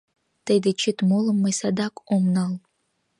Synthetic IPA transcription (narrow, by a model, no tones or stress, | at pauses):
d̥ajdɨt͡ʃʰɪtʼmolɨmːajsadakʷʼomnal